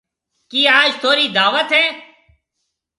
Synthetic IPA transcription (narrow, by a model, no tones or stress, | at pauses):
kiːaːd͡ʒt̪ʰoːɾiːd̪aːʋət̪ɦẽː